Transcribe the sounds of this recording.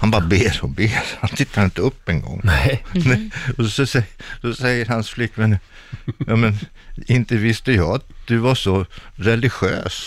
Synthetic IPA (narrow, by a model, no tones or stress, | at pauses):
hanbɑːɾabeːɾɔmbeːɾhant̪ʰɪt̪ːaɾɪnt̪əɵpːɛŋɡɔ̰ŋːnɛɔsɔsɛsɔsɛjːəɾɦansflɪkːvɛn | jɑːmɛn | ɪnt̪əvɪst̪əjɑːat̪̚d̪̥ɵvaʂɔɾɛlɪɧø̰ːs